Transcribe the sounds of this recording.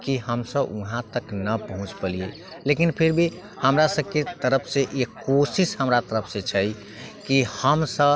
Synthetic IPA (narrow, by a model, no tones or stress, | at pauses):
kiɦəmsəbṵɦãt̪əknəpəɦũt͡ʃpəlije | lekinpʰiɾbʱi | həmɾasəb̚ket̪əɾəpʰsẽʔekosisɦəmɾat̪əɾəpʰsẽt͡ʃʰəj | kihəmsə